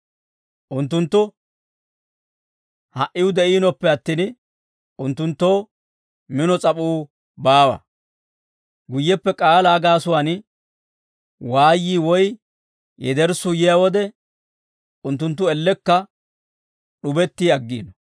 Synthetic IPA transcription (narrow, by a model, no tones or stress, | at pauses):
ʔʊnt̪ːʊnt̪ːʊ | hɐʔɪʊd̪ɛʔiːnɔpːɛɐt̪ːiːn | ʊnt̪ːʊnt̪ːoː | mɪnɔt͡sʼɐpʼuː | baːwɐ̰ | ɡʊjːɛpːɛkʼaːlaːɡaːsʊwaːn | waːjːiːwɔj | jɛ̰d̪ɛɾsʊjɪjawɔd̪ɛ | ʊnt̪̬ːʊnt̪̬ːʊɛlːɛkːɐ | ɗʊbɛt̪ːiɐɡːḭːnɔ